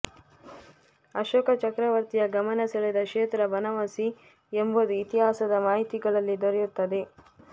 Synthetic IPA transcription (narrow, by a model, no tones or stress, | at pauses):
ɐʃoːkɐt͡ʃɐkɾɐʋɐɾt̪ijɐɡɐmɐnɐsɐɭed̪ɐkʃeːt̪ɾɐbɐnɐʋɐsi | embod̪uit̪iɦaːsɐd̪ɐmaːɦit̪iɡɐɭɐlːid̪oɾejut̪ːɐd̪e̞